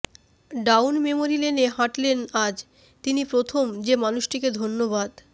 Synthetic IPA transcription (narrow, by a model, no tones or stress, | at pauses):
ɖawnmemoɾileneɦaʈlenad͡ʑ | t̪inipɾot̪ʰomd͡ʑemanuʃʈʰiked̪ʱonːoβad̪